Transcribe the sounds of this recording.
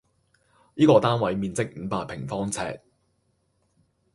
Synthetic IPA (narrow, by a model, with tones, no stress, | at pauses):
niː˥kɔː˧t̪aː˥nwɐ˨˥jmiː˨˧nt͡sɪ˥k̚m̩ː˨˧˥paː˧k̚pʰɪ˨˩ŋfɔː˥ŋt͡sʰɛ̰ː˧t̚